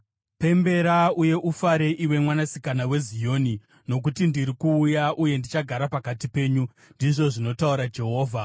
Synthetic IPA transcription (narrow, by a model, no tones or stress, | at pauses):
pe̞mbe̞ɾauje̞ʔufaɾe̞ʔiwe̞mwanasikanawe̞zijoːni | no̞k̬utindiɾikuːjaʔuje̞ndit͡ʃaɡʱaɾapakatipe̞ːɲu | ndiʐo̞ʐino̞tauɾad͡ʒe̞ɦo̞ːvʱa